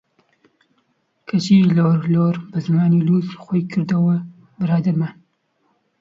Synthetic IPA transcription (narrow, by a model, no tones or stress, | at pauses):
kʰɐt͡ʃiloːɾloːɾbɨzɨmaːniluːzxʷɔjkʰɨɾd̪ɐwɐ | bɨɾaːd̪ɐɾmɐ